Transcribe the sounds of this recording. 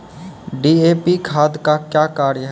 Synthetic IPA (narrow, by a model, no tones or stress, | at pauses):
ɖiːeːpikʰaːd̪kakjaːkaːɾjɦ